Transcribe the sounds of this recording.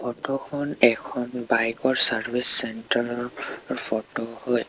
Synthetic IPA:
pʰɔtɔkʰɔnɛkʰɔnbajkɔɹsaɹbʱisːɛntaɹɔɹpʰɔtohoj

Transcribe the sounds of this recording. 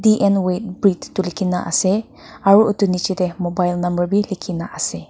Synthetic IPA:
diʔɛnwet̚bɹittulikʰina̰ʔa̰sɛ | aɹuut̪unit͡ʃiɾɛmɔbajlnambəɹbilikʰinaʔasɛ

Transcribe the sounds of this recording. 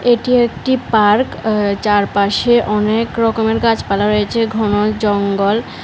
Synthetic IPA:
eʈiek̚ʈipaɾkt͡ɕaɾpaʃeʔɔnekɾɔkomeɾkat͡ɕpalaɾojet͡ɕʰeɡʱɔnod͡ʑɔŋɡol

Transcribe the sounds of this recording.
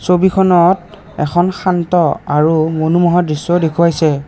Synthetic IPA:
sobikʰɔnɔt̚ | ɛkʰɔnxantɔaɹumonumɔɦadɹisːɔdekʰuajsɛ

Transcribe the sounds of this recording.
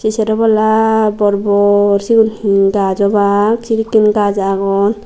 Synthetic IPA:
sisɛɾɔbɔlabɔɾbɔɾsiɡuniɡazɔbaksiɾikːinɡazaɡɔn

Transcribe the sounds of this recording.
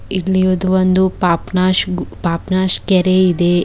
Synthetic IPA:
ilːiʋod̪uʋond̪upaːpnaːʃpaːpnaːʃkɛɾeid̪e

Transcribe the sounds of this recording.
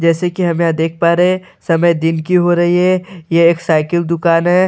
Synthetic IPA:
d͡ʒɛːsekiɦɐmejad̪eːk̚ʰpaːɾeẽ | sɐməjd̪ɪnkiɦoɾɐɦiɦɛjeːksaːɪkəld̪ʊkaːnɦɛ

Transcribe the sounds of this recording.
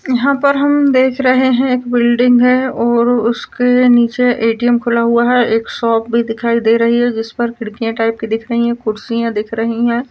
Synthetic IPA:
jɐɦãpɐɾɦɐmd̪eːkʰɾɐɦeɦɛ̃eːkbɪlɖɪ̃ŋɡɦɛ̃ɔːɾʊskeniːt͡ʃeʔeːʈijəmkʰʊlaɦuaɦɛʔeːksɔːp̚bʱid̪ɪkʰaːid̪eːɾɐɦiɦɛ̃d͡ʒɪspɐɾkɪɽkijãʈaːɪp̚kid̪ɪkʰɾɐɦiɦɛ̃kʊɽsijãd̪ɪkʰɾɐɦiɦɛ̃ː

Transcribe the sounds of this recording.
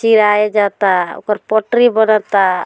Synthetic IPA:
t͡ʃiɾajed͡ʒat̪ao̰kɔɾpɔʈɾibɔnat̪a

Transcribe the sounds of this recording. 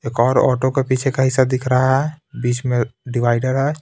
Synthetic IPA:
eːkɔːɾɔ̰ːʈokepiːt͡ʃʰekaɦɪsad̪ɪkʰɾaaɦɛbiːt͡ʃmeɖiʋaːɪɖəɾɦɛ

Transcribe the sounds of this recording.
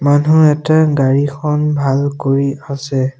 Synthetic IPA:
manuɛtaɡaɹikʰɔnbʱalkoɹiasɛ

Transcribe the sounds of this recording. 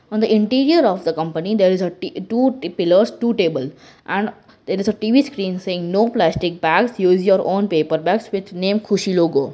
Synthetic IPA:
ɔ̃ːnd̪əʔɪ̃ɳʈiːɾiəɾɔːʋd̪əkʌ̃mpənid̪eːɾɪzəʈuːpɪləɾsʈuːʈeːbəl | ʔɛ̃ɳɖ | d̪eːɾɪzəʈiʋiːskɾĩːnseːɪ̃ŋnoːplæsʈɪk̚bæɡsjuːzjoəɾʔõːnpeːpəɾbæɡsʋɪd̪nẽːmkʰuʃiloːɡoː

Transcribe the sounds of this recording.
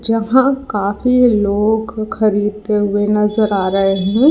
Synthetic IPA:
d͡ʒɐɦãkaːfiloːɡxɐɾiːd̪̚t̪eɦʊenɐzəɾaːɾɐɦeɦɛ̃

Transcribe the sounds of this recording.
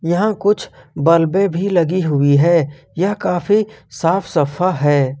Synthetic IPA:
jɐɦãkʊt͡ʃʰbɐlbẽbʱilɐɡiɦʊiɦɛː | jɐɦkaːfisaːfʰsɐfʰaɦɛː

